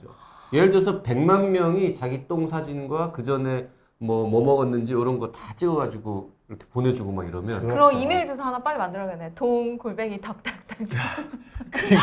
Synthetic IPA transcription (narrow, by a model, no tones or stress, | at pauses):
o | jeɭd͡ʑʌs̬ʰʌpe̞ŋmanmjʌŋit͡ɕaɡit͈oŋsʰad͡ʑinɡwakɯd͡ʑʌne̞ | mwʌmʌmʌɡʌnːɯnd͡ʑiʌɾʌnɡʌtat͡ɕ͈ɯʌɡad͡ʑiɡoiɾʌkʰe̥pone̞d͡ʑuɡomaɡiɾʌmjʌnkɯɾʌimeɭd͡ʑʌsʰʌɦanap͈aɭːimandɯɾʌɡenːeotoŋkoɭbe̞ɡitak̚t͈ak̚t͈ak | k